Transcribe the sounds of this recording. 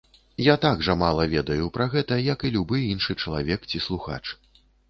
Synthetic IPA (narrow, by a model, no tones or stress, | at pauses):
jat̪aɡʐɐmalˠɐvʲɛd̪ɐjupɾɐɣɛt̪ɐjɐkilʲubɨinʂɨt͡ʂɐlˠavʲɛkt͡sʲislˠuxa̰t͡ʂ